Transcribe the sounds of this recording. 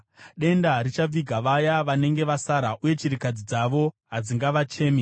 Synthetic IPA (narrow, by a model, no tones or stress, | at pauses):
ɗe̞ndaɾit͡ʃab͡viɡʱaʋajaʋane̞ŋɡe̞ʋasaɾaʔuje̞t͡ʃiɾikad͡zid͡zaʋo̞ɦad͡ziŋɡaʋat͡ʃe̞ːmi